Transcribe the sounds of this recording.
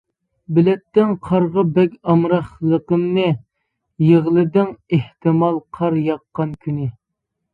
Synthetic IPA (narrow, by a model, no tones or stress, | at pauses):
bɪlɛt̪ːɪŋqʰɑɾʁəbɛkʲɑmɾɑχlˠəqəmnɨ | jeʁlˠɨd̪ɪŋeht̪ɪmɑlˠqʰɑɾjɑqːɑnkʲʰynɪ